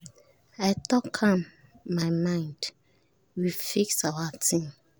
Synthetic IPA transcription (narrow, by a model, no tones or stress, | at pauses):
aɪtɔkʰãmː | aɪmãɪ̃nd̥ | wifiksawatʰĩm